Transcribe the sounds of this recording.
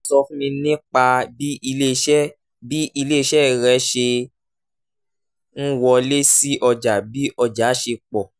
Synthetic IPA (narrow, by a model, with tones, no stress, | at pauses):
sɔ˧fũ˦mĩ˧nĩ˦k͡pa˧bi˦˧le˦˧ʃɛ˦ | bi˦ʔi˧le˦˧ʃɛ˦ɾɛ˨˦ʃe˧ | n̩˦wɔ˧le˦si˦ʔɔ˧d͡ʒa˨bi˨˦ʔɔ˧d͡ʒa˨˦ʃe˧k͡pɔ˨